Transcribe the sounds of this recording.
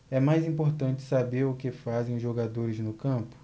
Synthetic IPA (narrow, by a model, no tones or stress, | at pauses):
ɛmajzĩpoɾt̪ɐ̃t͡ʃɪ̥sabeɾʊkɪfazẽj̃ʊzʒoɡad̪oɾɪznʊkɐ̃pʊ̥